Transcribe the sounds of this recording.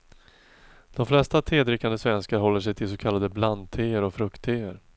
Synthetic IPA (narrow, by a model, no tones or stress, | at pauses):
d̪̥ɔmflɛst̪at̪ʰɾeːd̪ɾɪkːand̪əsvɛnskaɾɦɔlːəʂɛjt̪ʰɪlsɔkʰalːad̪əblant̪ʰeːəɾɔfɾɵkt̪ʰːeːəɾ